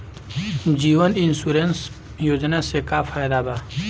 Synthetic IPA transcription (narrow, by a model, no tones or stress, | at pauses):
d͡ʒiːʋənɪnsuɾens | joːd͡ʒnasekafʰaːjd̪abaː